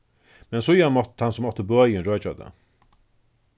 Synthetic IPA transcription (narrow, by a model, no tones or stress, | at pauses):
mɛnsʊjanmɔt̪ʰansʊmːɔt̪ːəbœːjɪnɾɔːt͡ʃa̰t̪a̰